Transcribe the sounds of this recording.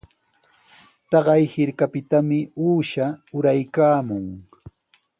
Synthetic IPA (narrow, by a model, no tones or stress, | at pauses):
t̪ɑɢɑjhɪɾkapɪt̪amɪuːʃaʊɾajkaːmʊŋ